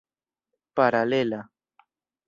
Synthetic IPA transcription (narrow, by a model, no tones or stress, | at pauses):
paɾalela